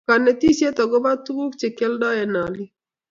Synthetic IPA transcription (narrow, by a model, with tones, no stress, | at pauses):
ka˨nɛ˨ti˦sje˦tɔ˨ɡɔ˦ba˦tu˦wu˦kt͡ʃe˨kɛ˦ldɔ˦ɛ˨na˨lɪ˦